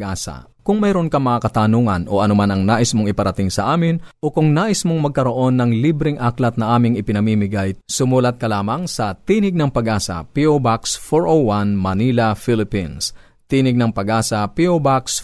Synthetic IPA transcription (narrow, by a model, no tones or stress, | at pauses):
ʔaːsɐ̰ | kʊŋmɛɾo̞nkɐmɐŋakɐt̪aːnuːŋɐno̞̰ʔɐnomanɐŋnaːʔɪsmoŋɪpɐɾɐt̪ɪŋsɐʔaːmɪnʔo̞kʊŋnaːʔɪsmoŋmɐɡ̚kɐɾo̞ʔo̞nːɐŋlibɾɪŋʔaklɐt̪̚nɐʔaːmɪŋɪpɪnɐmiːmɪɡajsʊmuːlɐt̪̚kɐlaːmɐŋsɐt̪iːnɪɡ̚nɐŋpɐɡʔaːsɐ̰piʔobaksfoɹʔowwanmɐnilɐfilɪpins | t̪iːnɪɡ̚nɐŋpɐɡaːsɐpiobaks